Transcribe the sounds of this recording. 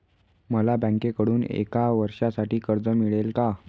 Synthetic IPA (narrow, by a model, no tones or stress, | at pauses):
məlabə̃ŋkekəɽuːnḛkaʋəɾʂasaʈiːkəɾd͡zəmiɭelka